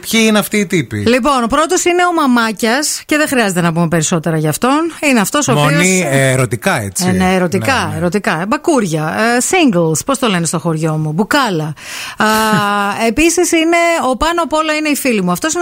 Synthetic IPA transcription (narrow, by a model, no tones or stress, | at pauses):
pçiineɐft̪iːt̪ipḭlipo̞npɾo̞t̪o̞sine̞o̞mɐmɐcɐsce̞ðexɾiɐze̞t̪enɐpume̞pe̞ɾiso̞t̪e̞ɾɐʝɐːft̪o̞nineɐft̪o̞soːponiɾot̪ikɐḛt͡sineːɾo̞t̪ikɐeɾo̞t̪ikɐbɐkuɾʝɐsiŋɡlspo̞st̪o̞le̞nist̪oxo̞ɾʝo̞mubukɐlɐ | episisine̞o̞pɐnopo̞lɐineifilimuɐft̪o̞sin